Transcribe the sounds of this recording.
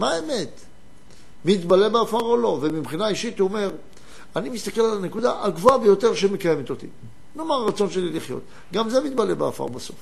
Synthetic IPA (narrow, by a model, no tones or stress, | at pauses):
maeme̞t̪ | mit̪bale̞beafaʁo̞lo̞vemibχinaiʃit̪uome̞ʁ | animist̪ake̞lalane̞kud̪aʔaɡvoabejo̞t̪e̞ʁʃemekaje̞met̪o̞t̪ḭ | nomaʁːat͡so̞nʃeliliχjo̞̰t̪ | ɡamze̞mit̪bale̞bea̰fa̰ʁbaso̞̰f